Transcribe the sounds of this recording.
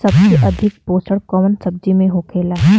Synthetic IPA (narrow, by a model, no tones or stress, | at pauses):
sɐbseʔɐd̪ʱɪk̚poːsəɽkɔːmənsɐb̚d͡ʒimẽɦoːkʰeːlaː